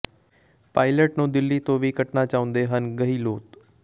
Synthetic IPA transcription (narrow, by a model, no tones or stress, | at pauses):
paːɪləʈnũːd̪ɪlːiːt̪õːʋiːkəʈnaːt͡ʃaːʊ̃nd̪eːɦənɡəɦiːloːt̪